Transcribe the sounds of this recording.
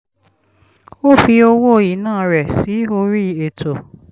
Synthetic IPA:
o˦fi˧o˧wo˦˨i˨˦nãː˦˨ɾɛ˨si˨˦o˧ɾi˦e˨tʰo˨

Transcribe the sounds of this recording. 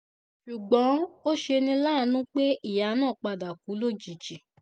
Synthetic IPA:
ʃu˨ɡ͡bɔ̃˨˦o˦ʃe˧nĩ˧laː˦˨˦nũ˦k͡pe˦i˦˨ja˨˦nãː˦˨k͡pa˧da˨ku˨˦lo˦˨t͡ʃi˨t͡ʃi˨

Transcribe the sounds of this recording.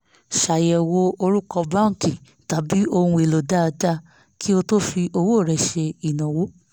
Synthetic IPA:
ʃa˨jɛ˨wo˧o˧ɾu˦kɔ˧bã˦˨ki˨ | ta˨˦bi˨˦o˧ũ˧e˨lo˨da˦˧da˦˨ | kʰi˦o˧to˦fi˧ʔo˧wo˦˨ɾɛ˨ʃe˧i˨nã˨wo˨˦

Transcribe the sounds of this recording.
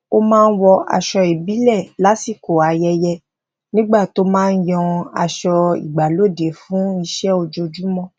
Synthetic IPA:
o˧mãː˦˧n̩˦wɔ˧a̰˧ʃɔ˧i˨bi˨˦lɛ˦˨la˨˦si˦˨ko˨a˨˧jɛ˧jɛ˧ | nĩ˦ɡ͡ba˦˨to˦mãː˦˧n̩˦jɔ̃˧a̰˧ʃɔ˧ḭ˨ɡ͡ba˨lo˦˨de˨˦fũ˨˦i˧ʃɛ˦o˧d͡ʒo˧d͡ʒu˦mɔ̃˦

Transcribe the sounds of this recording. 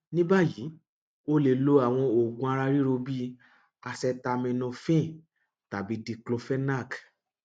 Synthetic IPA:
nĩ˦ba˦˨ji˨˦ | o˦le˧˨lo˦a˨w̃ɔ̃˧o˨ɡũ˧˦a˧ɾa˧ɾi˦ɾo˧bi˦ | a˧sɛ˧ta˧mĩ˧nũ˧fĩ˦˨ | ta˨bi˨˦di˧klo˧fɛ˦na˦˨k

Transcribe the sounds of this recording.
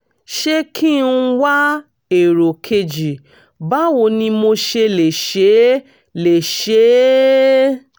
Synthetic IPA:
ʃe˧kʰi˦n̩˦wa˦ | e˨ɾo˨kʰe˧d͡ʒi˨ | ba˦wo˧nĩ˧mo˧ʃe˧le˨ʃe˨˦ | le˨ʃe˨˦

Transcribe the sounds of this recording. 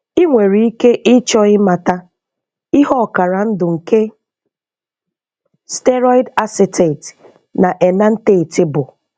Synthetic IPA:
i˦ŋʷe˨ɾi˨i˦ke˦ʔɪ˦t͡ʃɔ˦ɣɪ˦ma˨ta˦ | ɪ˦ɦɔ˦˨ka˨ɾa˨n̩˦dʊ˨ŋ̩˨ke˦ | ste˦ɾɔ˦i˦da˦sɪ˨te˨t | na˨ʔe˨na˦n̩˦te˦i˨tɪ˦bʊ˨

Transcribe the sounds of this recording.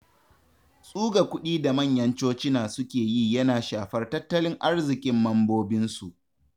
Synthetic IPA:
sʼuː˦ɡa˨kʷʊ˦ɗiː˦da˨mɐ˦˨ɲjɐ˦nt͡ʃoː˦t͡ʃɪ˦naː˨sʊ˦kʲeː˨ji˦jɐ˦naː˨ʃaː˨ɸɐ˦rtɐ˦tːɐ˦lɪ˦ŋʔa˦rzɪ˨kʲʼɪ˦mːɐ˦mboː˦bɪ˦nsu˨ʔ

